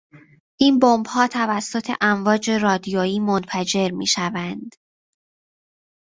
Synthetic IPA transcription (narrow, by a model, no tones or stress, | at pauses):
ʔiːnbombhɒːt̪ʰævæsːo̞t̪ʰe̞̰ʔæɱvɒːd͡ʒe̞rɒːd̪ijoiːmonfæd͡ʒe̞ɾmḭːʃævænd̪̥